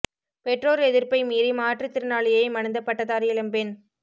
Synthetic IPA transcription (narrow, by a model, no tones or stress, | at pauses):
pɛʈroːɾɛðɪrpɐɪmiːɾimaːʈrɯt̪ːɪɾɯnaːɭɪjɐɪmɐnɐnd̪ɐpːɐʈːɐt̪aːɾɪjɐlɐmpɪn